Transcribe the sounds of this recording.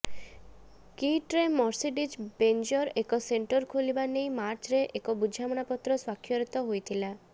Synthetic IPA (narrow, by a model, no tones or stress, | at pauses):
kiʈɾemɔɾsiʈid͡ʒbend͡ʒɔɾekɔseɳʈɔɾkʰolibanejmaɾt͡ʃɾeʔekɔbud͡ʒʱamɔñapɔt̪ːɾɔswakʰːjɔɾit̪ɔɦojt̪ʰila